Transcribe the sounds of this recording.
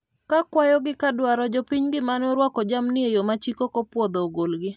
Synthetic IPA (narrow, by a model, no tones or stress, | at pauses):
kakwajɔɡɪkadwaɾɔd͡ʒɔpiɲɡɪmanoɾwɔkɔd͡ʒamnɪejomat͡ʃikokɔpwɔd̪oɡolɡɪ